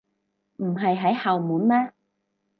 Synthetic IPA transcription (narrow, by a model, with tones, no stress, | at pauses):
m̩˨˩ɦɐ˨jɦɐ˨˥jhɐ˨wmuː˨˥nmɛː˥